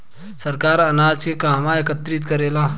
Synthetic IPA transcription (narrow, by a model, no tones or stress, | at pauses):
sɐɾkaːɾɐnaːd͡ʒkekaːɦmaekət̪ɾɪt̪kɐɾeːlaː